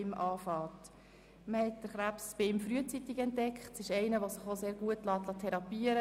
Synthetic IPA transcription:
mʔɑːfɑːt | məhɛt̚d̥əχɾæpsb̥ɪɪmfɾyət͡sit̪ɪɡɛntd̥ɛkχtsɪʃɛɪnəʋosɪχoseːɾɡuətlɑːt̪lɑtʰɛɾɑpiːəɾə

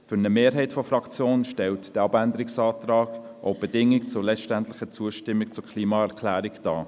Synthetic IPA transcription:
fʏɾnəmeːɾɦɛɪtfɔfrɑkt͡sjoːnʃtɛltd̥ɛɑbændəɾɪksɑːtɾɑːɡ̥ | ʔo̰ʊb̥ɛdɪŋɪkt͡sʊɾlɛt͡sʃtæntlɪχət͡suəʃtɪmːɪk̚t͡sʊkʰliːmɑɛʁkʰlæːɾɪkd̥ɑː

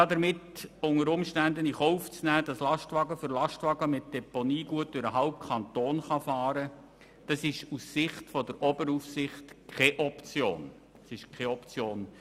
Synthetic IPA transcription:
ɑdəɾmɪtʊŋəɾʊmʃtænd̪əniχɔʊft͡snæːd̥ɑslɑʃtʋɑɡəfʏɾlɑʃtʋɑɡəmɪt̚d̥ɛponiːɡ̥uətːʏɾəɦɑʊp̚kʰɑntoːnχɑfɑːɾə | d̥ɑsɪʃussɪχtfɔdəɾɔbəɾufsɪχtkʰɛʔɔpt͡sjoːn | ɑsɪʃkχɛɔpt͡sjoːn

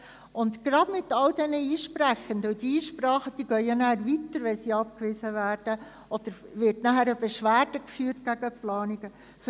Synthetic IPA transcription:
ʊnd̪ɡ̥ɾɑd̥mɪt̪ɑldɛnəiːʃpɾæxəndəʊdiiːʃprɑːχəd̥iːɡ̥œʏjɑnæːɾvitəɾʋɛnsiːɑp̚kʋɪzəvæːɾd̥ə | ʔɔd̥əɾʋɪɾtnæχæɾəb̥eʃʋæːɾd̥əkfyːrt̚ɡ̥æɡəplɑːniɡə | f

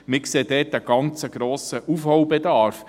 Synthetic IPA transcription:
mɪkseːd̥̪ɛːtəɡ̥ɑnt͡səɡɾoːsəʔufhɔwbɛd̪ɑɾf

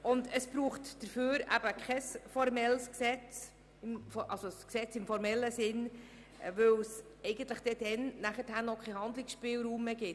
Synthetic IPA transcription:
ʊndəsb̥ɾuːχtd̥əɾføːɾæ̰b̥əkʰɛsfɔɾmɛlsksɛt͡s | ɪmfʔɑlsosksɛt͡sɪmfɔɾmɛlːəsɪn | ʋɵws | ɛɪɡ̥ənt̪ləχd̥ɛd̥ɛnnæχəthænɔkʰχɛhɑnd̪lɪksʃpɪːlɾuːmːeɡɪt

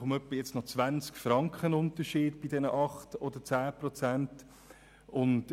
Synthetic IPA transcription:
ʊmœpːəjɛt͡stnɔt͡svʋant͡skfɾɑŋkχənʊntəʃiːdb̥idɛnəʔɑχtodət͡saːpɾɔt͡sænt | ʊnt

